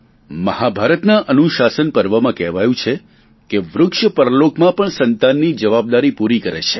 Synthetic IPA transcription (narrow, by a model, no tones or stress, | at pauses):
məhabʱaɾət̪naʔənuʃasənpəɾʋəmãkɛɦʋajũt͡ʃʰe | keʋɾʊkʃəpəɾəlokmãpəɳsənt̪anːid͡ʒəʋab̚d̪aɾipuɾikəɾḛt͡ʃʰe̥